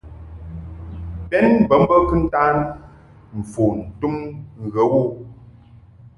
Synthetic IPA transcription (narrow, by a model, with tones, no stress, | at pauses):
pɛ˦nbə˨˦m˦bə˦kɨ˦n̩˦taː˦n | m̩˨fo˨n̩˨tu˦mŋ̩˨ɣə˨˦wo˦˨